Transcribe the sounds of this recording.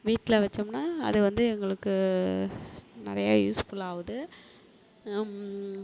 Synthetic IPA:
ʋiːʈːɪlɐʋɐt͡ʃːɯmnaːɐ̰ðɯʋɐnd̪ɯɛŋɡɐɭɯkːɯ | nɪɾɐjaːjuːskuːlaːʋɐðɯ

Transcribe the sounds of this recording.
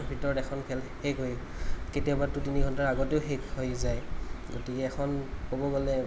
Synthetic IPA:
bʱitɔɹɔtɛkʰɔnkʰɛlhekɦojketijabatutiniɡʱɔntaɹaɡɔteʊxekɦojzajɡotikɛːxʰɔnkobɔɡɔlɛ

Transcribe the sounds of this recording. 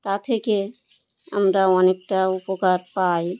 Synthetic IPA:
t̪at̪ʰeke | ə̰mɾaɔnek̚ʈaupokaɾpaj

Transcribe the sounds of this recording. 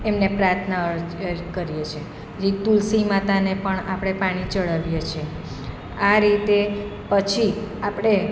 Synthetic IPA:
emnepɾaɾt̪ʰnakəɾijet͡ʃʰe | d͡ʒit̪ulsimat̪anepəɳapɽ̃epaɽ̃it͡ʃəɭəʋjet͡ʃʰie | aɾit̪epət͡ʃʰiapɽ̃e

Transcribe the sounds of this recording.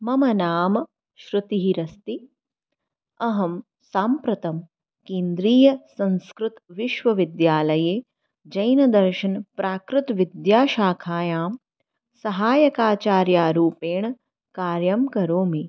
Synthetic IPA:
mɐmɐnaːmɐ | ʃɾɪt̪iɦiɾɐst̪i | ɐɦɐm | saːmpɾɐt̪ɐm | keːnd̪ɾiːjɐsɐ̃nskɾɪt̪ʋiʃʋɐʋid̪jaːlɐjeː | d͡ʒɐjnɐd̪ɐɾʃɐnpɾaːkɾɪt̪ʋid̪jaːʃaːkʰaːjaːm | sɐɦaːjɐkaːt͡ʃaːɾjaːɾuːpeːɳ | kaːɾjɐmkɐɾoːmi

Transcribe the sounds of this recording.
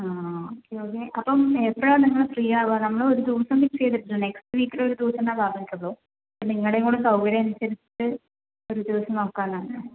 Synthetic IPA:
aːoːkːeoːkːeːʔɐpːɐmepːɐɐːniŋːɐɭfrijaːʋɐnɐmːɐɭo̞ɾud̪uːɐsɐmʋikʂejðɐpːiunekstɨʋiːkːileoɾud̪uːɐsɐmnaːbaːd̪ɐŋikːuɭːoː | ɐpːɐniŋːɐɭeŋːoːɽekɐwʋiɾeɐnusɐɾit͡ɕːi̥ʈːɨ | o̞ɾud̪iʋɐsɐmno̞ːkːaːnːaːɳɨ

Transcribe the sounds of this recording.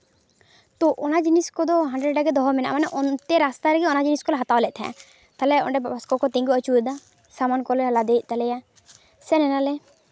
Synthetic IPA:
t̪ɔʔɔnad͡ʒiniskɔd̪ɔɦaɳɖɾɛɖaɡɛd̪ɔɦɔmɛnaʔmanɛʔɔnt̪ɛɾast̪aɾɛɡɛɔnad͡ʒiniskɔlɛɦat̪awlɛt̪ʰɛ̰̃a̰ | t̪alɛɔ̰ɖɛbbaskɔkɔt̪ĩŋɡuət͡ʃud̪a | samankɔlɛlad̪ɛʔ̚ˀt̪alɛja | sɛnɛnalɛ

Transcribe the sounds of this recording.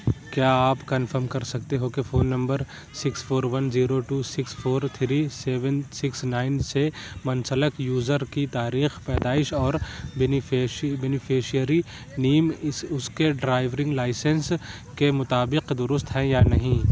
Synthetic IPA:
kjaːaːpkɐnfəɾmkɐɾsɐk̚t̪eɦokefoːnːɐ̃mbəɾ | sɪksfoːɾʋɐnziːɾoʈuːsɪksfoːɾt̪ʰɾiːseːʋənsɪksnaːɪnsemɐnsələkjuːzəɾkit̪aːɾiːxpɛːd̪aːɪʃɔːɾ | bɛːnɪfʰeːʃijəɾi | niːmɪsʊskeɖɾaːɪʋɾɪ̃ŋɡlaːɪsə̃ns | kemʊt̪aːbɪqd̪ʊɾʊst̪ɦɛ̃janɐɦĩ

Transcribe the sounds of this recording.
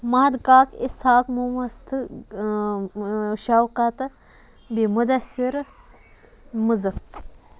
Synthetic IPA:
mɐɐd̪kaːkisaːkmumɐst̪ʰɨ | ʃawkat̪ɐ | bimud̪ɐsiɾ | muzɐkt̪

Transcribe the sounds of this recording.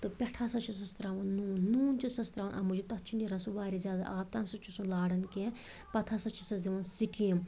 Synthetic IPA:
t̪ɨpʲɛʈʰasɐt͡ʃʰis̬ɐst̪ɾaːʋɐnnuːnːuːnt͡ʃʰusɐst̪ɾaːʋɐnʔɐ̰mud͡ʒut̪ɐt͡ʃʰiniɾɐnsuʋaːɾʲizjaːd̪a̰ʔaːpt̪aːmsut͡ʃʰusũlaːɽɐnkẽ | pɐt̪ʰasɐt͡ʃʰi̥sɐsd̪iʋɐnsikim

